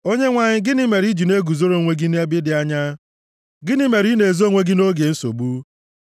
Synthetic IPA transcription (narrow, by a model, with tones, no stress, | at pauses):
o˦ɲe˦ŋʷa˨ɲɪ˦ɡɪ˦nɪ˦me˨ɾi˦d͡ʒi˨ne˦ɡu˨zo˦ɾo˦˨ŋʷe˦ɡi˦ne˦bɪ˦dɪ˨a˦ɲa˦ | ɡɪ˦nɪ˦me˨ɾi˦ne˨zo˦ŋʷe˦ɡi˦no˦ɡe˨n̩˦so̰˨bu˦